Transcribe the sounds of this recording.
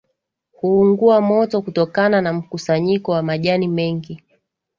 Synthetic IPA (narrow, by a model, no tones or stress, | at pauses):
huːŋɡuamɔtɔkutɔkananam̩kusaɲikɔwamaʄanimɛŋɡi